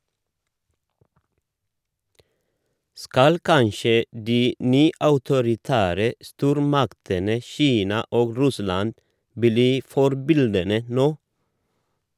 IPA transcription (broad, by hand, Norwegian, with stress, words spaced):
ˈskɑl ˈkɑnʃə ˈdiː ˈnyːɑʉtʊɾɪˌtæːɾə ˈstuːɾmɑktənə ˈçiːnɑ ˈoːɡ ˈɾʉslɑnd ˈbliː ˈfɔɾbɪldənə ˈnoː